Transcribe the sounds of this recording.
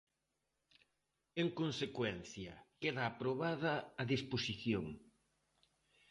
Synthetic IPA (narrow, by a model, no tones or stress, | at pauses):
eŋkonsekwɛn̟θjɐkeðaːpɾoβaðɐːðisposiθjoŋ